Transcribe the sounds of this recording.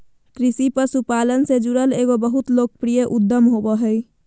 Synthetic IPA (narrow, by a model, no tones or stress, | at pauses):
kɾisipəɾsupalənsed͡ʒuɾəleɡobəɦut̪lok̚pɾijəʔud̪ːəmɦobəɦəj